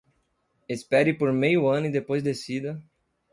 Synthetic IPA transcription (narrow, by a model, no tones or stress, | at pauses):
espɛɾɪpoɾmejʊɐ̃nʊid̪epojzd̪esid̪ɐ